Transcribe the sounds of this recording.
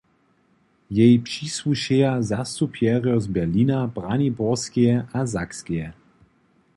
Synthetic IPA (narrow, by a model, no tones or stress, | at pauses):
jɛjpʂiswuʃejazast̪upʰjɛʁjɔzbɛʁliːnabʁanibɔʁskijɛʔazakskijɛ